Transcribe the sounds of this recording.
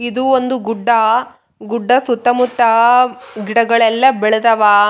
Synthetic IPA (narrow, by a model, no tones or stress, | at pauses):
id̪uond̪uɡuɖːɐ | ɡuɖːɐsut̪ːɐmut̪ːɐɡiɽɐɡɐɭɛlːɐbɛɭɐd̪ɐʋaː